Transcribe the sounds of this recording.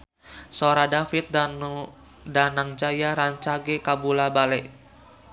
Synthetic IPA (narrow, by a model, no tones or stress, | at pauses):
soɾadafit̪̚dan | danaŋd͡ʒajaɾaɲt͡ʃaɡekabulabalɛʔ